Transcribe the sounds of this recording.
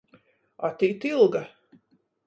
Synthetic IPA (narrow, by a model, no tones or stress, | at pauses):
at̪iːt̪ilˠɡa